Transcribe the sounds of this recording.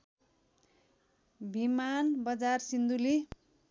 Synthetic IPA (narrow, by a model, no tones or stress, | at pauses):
bʱimanbʌd͡zarsind̪uli